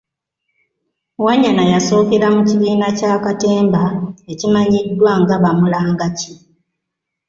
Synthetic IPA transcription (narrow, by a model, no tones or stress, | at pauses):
waɲːanajaso̞ːkeɾamuciβiːnacaːkate̞ːmbaecimaɲidːwaŋɡaβamulaːŋɡaci